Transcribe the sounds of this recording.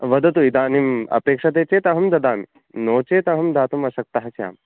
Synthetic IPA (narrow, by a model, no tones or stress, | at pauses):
ʋɐd̪ɐt̪uid̪aːnimɐ̰peːkʂɐt̪̬eːt͡ʃeːt̪ɐɦɐmd̪ɐd̪aːmi | noːt͡ʃeːt̪ɐɦɐmd̪aːt̪umɐʃɐk̚t̪ɐɦɐt͡ʃja̰ːm